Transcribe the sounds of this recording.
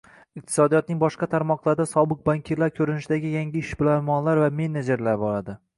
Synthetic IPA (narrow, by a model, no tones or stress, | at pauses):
ɪq̚t̪ʰɪ̥sɒd̪ijɒt̪̚nɪŋbɒʃqɑt̪ʰaɾmɒqlˠaɾd̪asɒbɨq̚baŋkʲʰeɾlaɾkʲʰɵɾɪnɪʃɪd̪aɡʲɪjaŋɡʲɪɪʃbɪlamɒnlaɾvame̞ned͡ʒeɾlaɾbɒɾad̪ɪ